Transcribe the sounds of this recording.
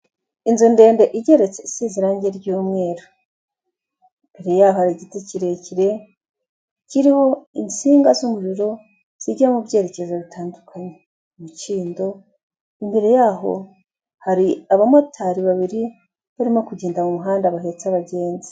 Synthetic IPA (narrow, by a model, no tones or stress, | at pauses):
inzunde̞ːnde̞ʔiɟe̞ɾe̞t͡se̞isiziɾaːɲɟeɾɟuːmŋe̞ːɾo | imbeɾe̞jaːhohaɾiɟiteciɾe̞ciɾe̞ | ciɾiho̞int͡siːŋɡazumuɾuɾo̞ | z̥iɟamubɟe̞ːɾe̞ce̞zoβitʰaːndukʰaɲe | umut͡ʃiːndo̞ | imbe̞ɾe̞jaːɦo̞̰ | haɾiaβamotʰaɾiβaβiɾi | βaɾimokuɟeːndamumuɦaːndaβaɦet͡saβaɟe̞ːnzi̥